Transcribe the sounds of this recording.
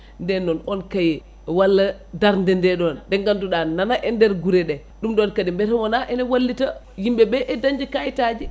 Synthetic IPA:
ndɛnːɔnɔnkajɛ | walːa | daɾndɛndɛɗɔndɛŋɡanduɗananaʔɛndɛɾɡuɾɛɗɛ | ɗumɗɔnkadimbɛtamɔnaʔɛnawalːita | jimbɛbɛʔɛdaɲd͡ʒikajtad͡ʒi

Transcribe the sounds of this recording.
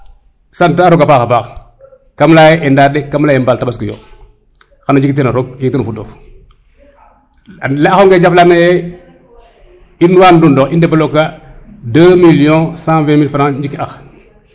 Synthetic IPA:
santaɾɔkapaxapax | kamlajɛʔɛndaːdɛkamlaːjɛmbaltabas̬kijo̰ | xanoɲd͡ʒiktenaɾɔɡ̚d͡ʒiktenufudɔ | laaxoŋɡɛd͡ʒaflamejɛ | inwandundɔxindɛpalokːadəmilijõsãvɛ̃milfɾãɲd͡ʒikːiax

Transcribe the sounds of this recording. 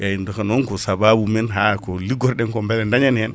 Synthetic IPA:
jajindokanoŋkosababumenɦakoliɡoɾɗeŋkombelendaɲanen

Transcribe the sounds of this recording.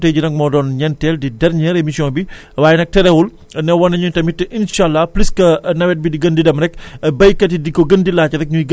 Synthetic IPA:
teɟinɐk̚mɔdɔnɲɛntɛldidɐɾɲɛɾemisijɔ̃nbi | waːjɛnɐk̚tɛɾɛwul | nɛwɐnːɐɲuɲtɐmitːʔinʃalːɐpliskɐnɐwɛt̚bidiɡɐndidɐmɾɛkbɐjkːɐt̬idikɔɡɐndilaːt͡ʃɐɾɛk̚ɲuɡ

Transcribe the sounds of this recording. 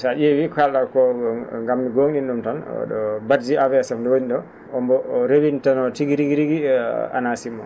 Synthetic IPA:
saʔewikalɗakɔŋɡamːiɡoːŋɗinɗumtɔn̰ɗɔ̰badd͡ʒiavɛsɛmɗɔwoɲiɗɔ | ɔmbɔɾewintɔnɔtiɡiɾiɡiɾiɡia̰nasimːɔ

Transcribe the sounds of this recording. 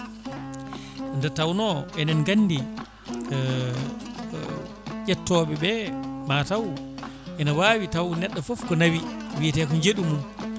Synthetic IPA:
ndɛtawnɔɛnɛnɡanːdi | ʔɛtːɔɓɛbɛmatawʔɛnawawitawnɛɗːafɔfkɔnawiwitɛkɔɲd͡ʒeɗumum

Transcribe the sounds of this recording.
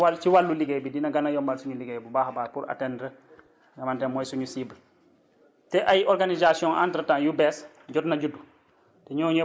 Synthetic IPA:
t͡ʃiwalːuliɡejbidinɐɡanajɔmbalsuɲuliɡejbubahabaːɾpuɾa̰tɛndɾə | ɡamantɛnmɔjsuɲusibl | tɛʔajʔɔɾɡanizasiɔ̃ŋʔa̰ntɾətãŋjubɛs | ɟɔtnaɟudːu | tɛɲɔːɲ

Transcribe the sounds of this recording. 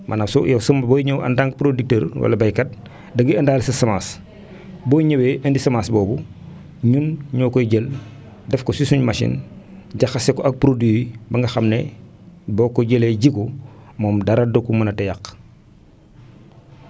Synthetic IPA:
mʔɐnɐfsɔ̰jɐsɐmbɔjɲɐwʔɐ̰ndaŋɡ̚pɾodik̚təːrwɐ̰lɐbɐjkɐt̚ | dɐɡiɐndaːlisɐsɐmaːs | bɔːjɲɐweʔɐndisɐmaːsbɔːbu | ɲunɲɔːkɔɟəl | dɛfkɔsisuɲmaʃḭnɟɐxɐsɛkɔʔɐk̚pɾodwiwibɐŋɡɐxɐmnɛ | bɔːkɔɟəleɟikɔmɔːmdɐɾɐdokumɐnɐtɛjɐk

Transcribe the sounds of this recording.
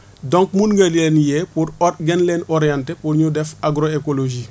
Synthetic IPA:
dõŋkmunŋɡalenjepuɾɡenlenoɾijãntepuɾɲudɛfaɡɾoekoloʒi

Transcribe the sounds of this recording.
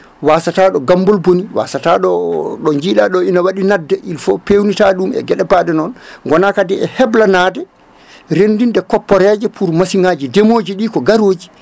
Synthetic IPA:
wasataɗɔɡambɔlboniwa̰sataɗɔɗɔnd͡ʒiɗaɗɔinawaɗinadːɛʔilfɔpewnitaɗumɛ̰ɡɛɗɛbaɗɛnɔnŋɡɔnakadɛɛhɛblanadɛ | ɾendindɛkɔpːɔɾɛd͡ʒɛpʰuɾmasiŋad͡ʒidemoːd͡ʒiɗikɔɡaɾoːd͡ʒi

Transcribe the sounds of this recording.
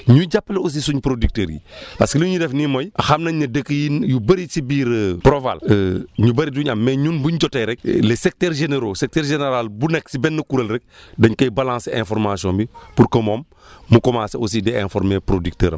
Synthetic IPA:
ɲuɟapːleos̬isuɲpɾodik̚təːɾjḭaskilɐɲudɛfnimɔjʔaxamnɐɲːɐdəkːjijubɐɾisibiːɾəpɾova̰ləɲubɐɾiduːɲɐmːɛɲuːnbuɲɟɔtɛɾɛk̚lɛsɛk̚tɛːɾʒeneɾosɛk̚tɛɾʒeneɾalbunɛksibɛnːɐkuɾɐlɾɛk̚dɐɲkɐjbalãːnsɛ̰̃nfɔɾmasiɔ̃ːmbipuɾkɐmoːmː | ukɔmaːsɛos̬idɛɛ̃fɔɾmepɾodik̚tə̰ːɾɐ̰m

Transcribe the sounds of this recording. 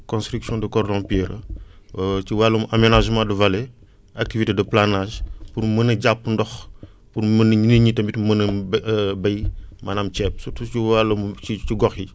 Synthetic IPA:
kɔ̃nstɾiksjɔ̃dəkɔrdɔ̃piɾə̰ | t͡ʃiwalːumʔamenaʒmãdəvalɛ | ʔak̚tivitedɐplanaʒpurmənɐɟapːndɔx | puɾmənɲinəɲitɐmbitmənɐ | bɐjmanaːmt͡ʃɛp̚sutuiwalːumit͡ʃiɡɔxji

